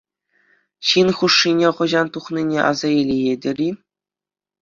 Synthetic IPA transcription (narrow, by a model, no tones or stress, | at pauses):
ɕinχuʂːinʲeχɤ̆ʑɑnt̪uχnʲinʲeʔɑ̰zɑilʲijedʲɘ̆rʲi